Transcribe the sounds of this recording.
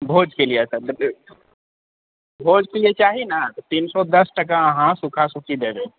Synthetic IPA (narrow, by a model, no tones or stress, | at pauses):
bʱoːd͡ʒkeliesɐɾd̪ | bʱoːd͡ʒkeliet͡ʃaːɦinat̪ot̪iːnsɔd̪ɐsʈɐkãɐɦãsʊkʰasʊkʰid̪eːbẽː